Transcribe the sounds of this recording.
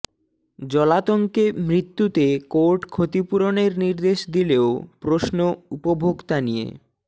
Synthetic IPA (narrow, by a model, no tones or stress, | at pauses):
d͡ʑɔlat̪oŋkemɾit̪ːut̪ekoɾʈkʰot̪ipuɾoneɾniɾd̪eʃd̪ileopɾosnoupobʱoɡt̪anijḛ